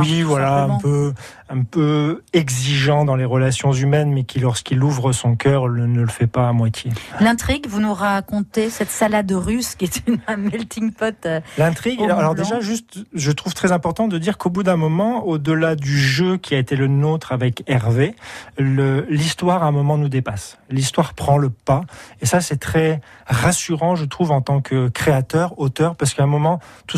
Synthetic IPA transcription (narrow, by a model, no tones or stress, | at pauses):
wivwalaɛ̃pø | ɛ̃pøɛɡziʒɑ̃d̪ɑ̃leʁəlasjɔ̃zymɛnmɛkʲʰilɔʁskiluvʁəsɔ̃kʲœʁlənələfɛpaːmwat̪ʰjelɛ̃t̪χiɡvunuʁakɔ̃t̪esɛt̪salad̪ʁyskʲiɛt̪ynmɛlt̪iŋpɔt̪lɛ̃t̪χiɡalɔʁd̪eʒaʒyst̪ʒət̪χuvt̪χɛzɛ̃pɔʁt̪ɑ̃d̪əd̪iʁkobud̪ɛ̃mɔmɑ̃od̪əlad̪yʒøkʲʰiaet̪elənot̪χavɛkɛʁveləlist̪waʁaɛ̃mɔmɑ̃nud̪epaslist̪waʁpχɑ̃ləpaesasɛt̪χɛʁasyʁɑ̃ʒət̪χuvɑ̃t̪ɑ̃kʰəkχeat̪œʁot̪œʁpaʁsəkaɛ̃mɔmɑ̃t̪u